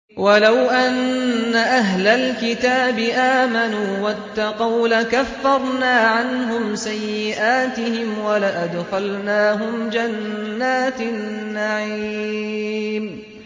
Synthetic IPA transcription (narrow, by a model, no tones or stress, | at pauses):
walawʔanːaʔaɦlalkɪt̪aːbɪʔaːmanuːwat̪ːɑqɑwlakafːɑɾˤnaːʕanɦʊmsajːɪʔaːt̪ɪhɪmwalaʔad̪xalnaːɦʊmd͡ʒanːaːt̪nːaʕiiː | m